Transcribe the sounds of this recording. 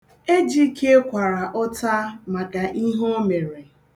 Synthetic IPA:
e˦d͡ʒi˦kʰe˦kʷa˨ɾa˨ʔɔ˦ta˦ma˨ka˨ʔi˦ɦo˦me˨ɾe˨

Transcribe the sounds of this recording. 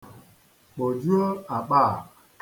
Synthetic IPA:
ɓo˨d͡ʒu˦ə˦a˨ɓa˦˨ | k

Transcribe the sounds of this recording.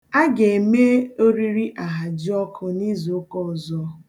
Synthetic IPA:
a˦ɡe˨e˨me˦o˦ɾi˦ɾi˦ʔa˨ɦa˨d͡ʒɪ˦ɔ˦kʰʊ˨ni˦zo˦kɔ˦˨zɔ˦

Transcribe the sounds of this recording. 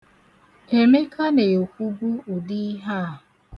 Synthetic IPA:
e˨me˦kʰa˦ne˨o˨kʷu˦bu˦ʊ˨di˦ɦa˦˨

